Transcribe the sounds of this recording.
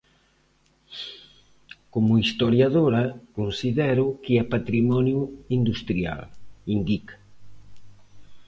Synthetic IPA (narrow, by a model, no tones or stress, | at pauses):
komʊist̪oɾjaðoɾɐkonsiðɛɾʊkɪɛpat̪ɾimɔnjuind̪ust̪ɾia̰lind̪ikḁ